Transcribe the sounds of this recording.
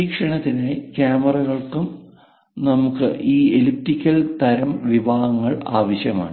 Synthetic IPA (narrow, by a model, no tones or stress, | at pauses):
iːkʂɐɳɐt̪ːinekjaːmɐrɐɣɐɭkum | nɐmukːɨʔiːelip̚tikʲːɐlt̪ɐɾɐmʋibʱaːhɐŋːɐɭaːʋɐɕjɐma̰ːɳɨ